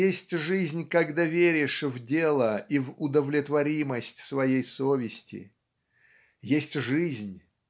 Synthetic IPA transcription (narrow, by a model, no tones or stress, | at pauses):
jesʲtʲʐɨzʲnʲkaɡd̪avʲeɾʲɪʂvdʲelˠəivʊd̪əvlʲɪt̪vɐɾʲiməsʲtʲsvɐjejsovʲɪsʲtʲɪ̰ | jesʲtʲʐɨzʲnʲ